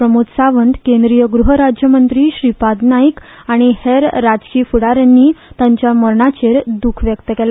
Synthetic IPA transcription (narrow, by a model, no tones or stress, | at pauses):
ɾəmut̪saʋənd̪kẽnd̪ɾijəɡɾuɦəɾad͡ʑjəmənt̪ɾiːɕɾipad̪naik | aɽ̃iheɾːad͡zkiːfuɽaɾənːiːt̪ãɲt͡ɕjaməɾɳat͡ɕeɾd̪ukʰʋjəɡt̪əkɛla